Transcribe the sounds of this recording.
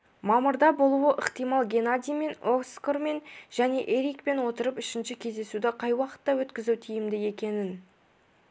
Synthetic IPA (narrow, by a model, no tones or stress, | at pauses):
mɑməɾd̪ɑbo̞lˠuwəʔəqt̪ijmɑlˠɡʲenad̪ʲijme̞nokskorme̞nʒ̥æne̞ʔe̞ɾikpe̞nwo̞t̪əɾəpɪʃɪnʃɪkʲʰe̞zd̪e̞sud̪ɪqʰɑjwɑqə̥t̪ːɑwɵt̪kʲɪzuwt̪ʰijɪmd̪ɪe̞kʲe̞nɪn